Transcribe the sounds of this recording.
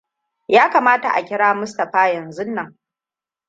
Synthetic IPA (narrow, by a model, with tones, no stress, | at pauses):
jaː˦kaː˨maː˦ta̰˨ʔa̰˨kʲɪ˦ɽaː˦mʊ˦s̬tɐ˨ɸaː˦jɐ˨nzʊ˦nːɐ˦ŋ